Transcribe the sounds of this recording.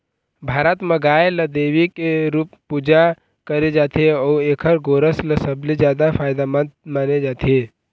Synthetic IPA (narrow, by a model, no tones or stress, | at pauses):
bʱaːɾət̪məɡaːjeləd̪eːwikeɾupːud͡ʒa | kəɾed͡ʒaːt̪ʰeɔueːkʰəɾɡoɾəsləsəblid͡ʒjad̪apʰaːjd̪amənt̪̚maːned͡ʒaːt̪ʰe